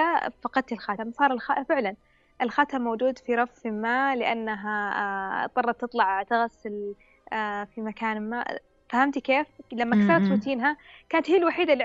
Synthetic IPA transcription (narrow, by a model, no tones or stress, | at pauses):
afɑqɑd̪̚t̪ɪlxat̪amsˤɑːɾˤɪlxafɪʕlan | ʔɪlxat̪amːawd͡ʒuːd̪fiɾˤɑffɪlmaːlɪʔa̰nːaɦa | t̪ˤːɑrˤːɑt̪ːɨt̪ˤlɑʕt̪aɣasːɪl | fimakaːnɪlma̰ː | fahamt̪keːflamːakθɑɾˤɑt̪ɾut̪iːnɦakaːnat̪hiːlwaħiːd̪ali